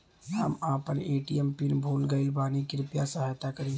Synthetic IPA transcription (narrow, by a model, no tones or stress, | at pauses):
ɦə̰maːpəneːʈiɛmpinbʱoːlɡəɪlbaːnikiɾʊpjasəɦaːjt̪akəɾẽː